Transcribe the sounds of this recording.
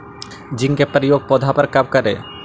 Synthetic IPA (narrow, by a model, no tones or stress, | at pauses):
d͡ʑiŋkepːaɾijoɡ̚pɔd̪ʱɦapaɾkab̚kaɾe